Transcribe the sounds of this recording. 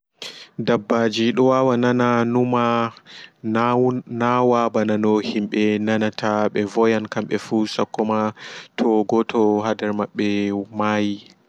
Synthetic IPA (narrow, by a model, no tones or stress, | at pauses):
dabːad͡ʒiɗɔwawanananuma | nawabananɔhimɓɛnanatʰaɓɛvɔjankamɓɛfusakːɔmatʰɔɡɔtʰɔhadaɾmaɓːɛmaji